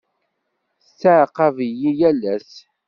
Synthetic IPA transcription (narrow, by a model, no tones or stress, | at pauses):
t͡sːəʕqɑvjijælæs